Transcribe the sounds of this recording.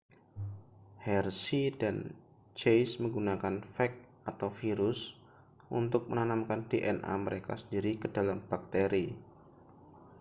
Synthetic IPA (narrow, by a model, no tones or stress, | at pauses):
hɛrsidan | t͡ʃejsməŋɡunakanfɛk̚ | at̪awfiɾʊs | ṵnt̪ʊk̚mənanamkandeʔɛnʔa̰məɾeka̰sə̥ndiɾikədalamb̥ak̚t̪eɾi